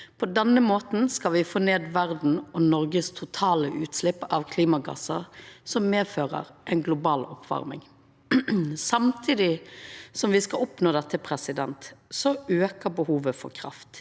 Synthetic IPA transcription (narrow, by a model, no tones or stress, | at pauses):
pʰɔd̪ɛnːəmoːt̪n̩skɑlʋɪfoːneːd̪ʋæʁd̪n̩ɔnɔɾɡəst̪ʰʊt̪ʰɑːləʔʉːt̪slɪpːɑʋkʰliːmɑɡɑ̰sɑsɔmːeːføːʁə̰ɾʔɛɪnɡlʊbɑːlɔpʰːʋɑ̰ʁmɪ̰ŋ | sɑmt̪ʰiːd̪ɪsɔmʋɪskɑɔpnoːd̪ɛt̪ːəpʰɾɛsɪd̪ɛnt̪sɔøːkəɾbəhuːʋəfɔ̰ɾkʰɾɑ̰ft̪